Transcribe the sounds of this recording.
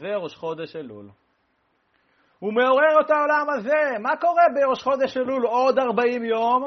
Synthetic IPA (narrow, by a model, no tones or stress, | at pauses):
zeʁoʃχo̞d̪eʃelṵl | ume̞o̞ʁeʁet̪ao̞lamaze̞mako̞ʁe̞beʁoʃχo̞d̪eʃelulo̞d̪aʁbaimjom